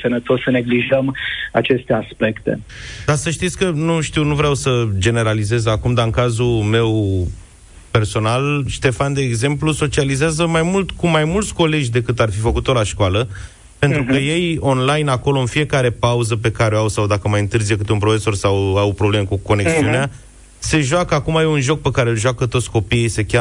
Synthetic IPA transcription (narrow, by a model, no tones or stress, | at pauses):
sənət̪osːəne̞ɡliʒəma̰t͡ʃe̞st̪easpekt̪ḛd̪̥asəʃt̪it̪sʲkənuʃt̪iwnuvɾeawsəd͡ʒe̞ne̞ɾalize̞zakumd̪aɨŋkazume̞w | pe̞rso̞nalʃt̪e̞fand̪e̞ːɡze̞mpluso̞t͡ʃializeazəmajmult̪kumajmult̪sʲko̞le̞d͡ʒʲd̪e̞kɨt̪arfifəkut̪o̞laʃkwalə | pe̞nt̪ɾukəje̞jo̞nlajnako̞lo̞ɨnfije̞kaɾe̞pauzəp̬e̞kaɾeoawsawd̪akəmajɨnt̪ɨrzijəkɨt̪eunpɾo̞fe̞so̞rsawawpɾoble̞mekuko̞neksiunea | se̞ʒwakəakumajeunʒo̞k̚pe̞kaɾelʒakət̪o̞t̪sʲko̞piijsekʲa